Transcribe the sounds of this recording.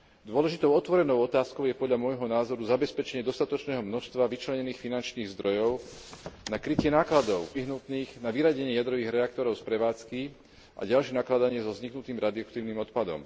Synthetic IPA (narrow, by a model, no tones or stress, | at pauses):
d̪ʊɔlɛʒit̪ɔʊɔt̪ʋɔɾɛnɔʊɔt̪aːskɔʊjɛpɔd̪ʎamʊɔjɦɔnaːzɔɾuzabɛspɛt͡ʃɛɲɪɛd̪ɔst̪at̪ɔt͡ʃnɛːɦɔmnɔʃst̪ʋaʋit͡ʃlɛɲɛniːxfinant͡ʃniːɣzd̪ɾɔjɔʊnakɾicɪɛnaːklad̪ɔʊʋiɦnut̪niːɣnaʋiɾaɟɛɲɪɛjad̪ɾɔʋiːɣɾɛak̚t̪ɔɾɔʊspɾɛʋaːt͡ski | ʔa̰ɟalʃjɛnaklad̪aɲɪɛzɔzɲiknut̪iːmɾad̪iakt̪iːʊnimɔt̪pad̪ɔ̰m